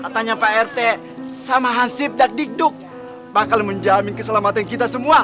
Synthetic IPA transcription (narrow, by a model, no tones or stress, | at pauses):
kat̪aɲapaɛrt̪e | samaɦasɪp̚dak̚dik̚dʊk̚ | bakalməɲd͡ʒamɪnkəsalamat̪ankit̪asəmua